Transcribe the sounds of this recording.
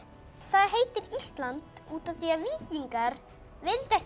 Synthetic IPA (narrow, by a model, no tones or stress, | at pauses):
θaðɦeːjt̪ɪɾist̪lant̪uːt̪aθviaviːciŋkaɾ | vɪlt̪ɛh